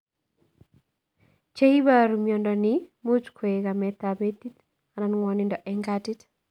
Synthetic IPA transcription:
t͡ʃe˦i˦ba˦ɾumjɔ˨ndɔnɪmo˦t͡ʃkʰe˨e˨ka˨mɛt̪abeti˦t | a˨na˦nŋwɔnɪndɔ˨ʔɛŋɡati˦t

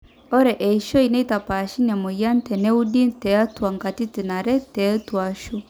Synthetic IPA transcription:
ɔ˦ɾɛ˨ʔɛ˨i˨ʃɔ˦i˨nɛ˦i˦ta˨pa˨ʃi˦na˨mɔ˨ja˦n˦tɛ˨nɛ˦u˦di˦ntɛ˨a˦twa˨ŋɡa˨ti˦ti˨na˨ɾɛ˦tɛ˨˦twa˨ʃu˦

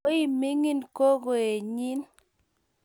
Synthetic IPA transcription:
i˦mi˦ŋi˦˨nko˦ɡo˨e˨ɲi˦n

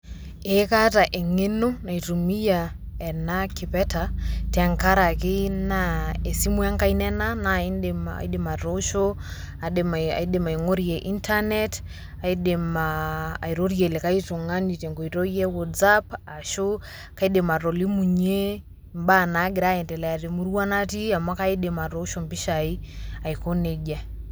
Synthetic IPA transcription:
e˨˦ka˦ta˨ʔe˨ŋe˦no˦na˨i˨tu˨mi˦ja˨ | ɛ˨na˦kɪ˨pɛ˦ta˨tɛ˨ŋka˦ɾa˨ke˦na˦e˨si˦mwa˦ŋka˦i˦nɛ˦na˦na˦a̰˨i˦de˨ma˨ɾo˦ʃo˦ | a˨ma̰˨i˦de˨ma˨i˨ŋo˦ɾi˨ɛ˨ʔi˦ntʰa˦nɛ˦t | a˨i˦de˨maː˨i˨ɾɔ˦ɾi˦ɛ˨le˨ka˦i˦tɔ˨ŋa˦ni˨tɛ˨ŋɡɔ˨i˨ɾɔ˦i˦ɛ˦wɔ˨tsa˦pa˨ʃo˦ | ka˦i˦ɗe˨ma˨ɾɔ˨li˦mu˨ɲe˦ | mba˦˨na˨˦ɡi˨ɾa˦jɛ˨ndɛ˨lɛ˨a˨ɾe˨mu˦ɾu˦wa˦na˦ti˦a˨ma˦ka˦i˦ɗe˨ma˨ɾɔ˦ʃɔ˨mbi˦ʃa˨i˦a˨i˨kɔ˦ne˨d͡ʒa˦

